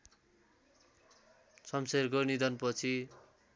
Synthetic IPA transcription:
sʌmseɾɡʌnid̪ʌnpʌt͡sʰi

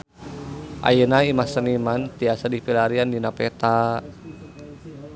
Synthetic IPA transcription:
ʔa̰jənaimasənimant̪iasadipilaɾiandinapɛt̪a

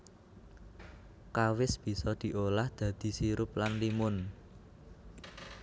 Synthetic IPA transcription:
kawɪsb̥i̤sɔd̪̥i̤ʔolahd̪̥ä̤d̪̥i̤siɾʊplanlimʊn

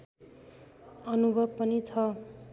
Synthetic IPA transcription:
ʌnubʱʌbpʌnit͡sʰʌ

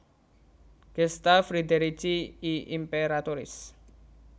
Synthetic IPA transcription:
ɡ̥ɛst̪afɾid̪eɾit͡ʃiiʔimpeɾat̪oɾɪ̰s

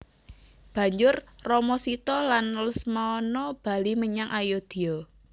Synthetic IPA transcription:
b̥ä̤ɲd͡ʒʊrrɔmɔsit̪ɔlanləsmaɔnɔb̥a̤liməɲaŋʔajod̪̥i̤ɔ

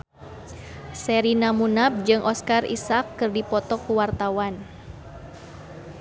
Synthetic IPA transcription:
sɛɾinamunap̚d͡ʒɨŋʔɔskarḭsakːɨrdipɔt̪ɔkuwart̪awan

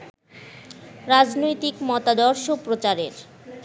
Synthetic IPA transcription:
ɾad͡ʑnojt̪ikmɔt̪ad̪ɔɾʃopɾot͡ɕaɾeɾ

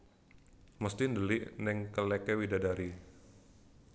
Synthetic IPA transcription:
mɔst̪indəlɪʔnɛŋkəlɛkɛwidadaɾi

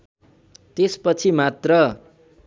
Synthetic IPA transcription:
t̪espʌt͡sʰimat̪rʌ

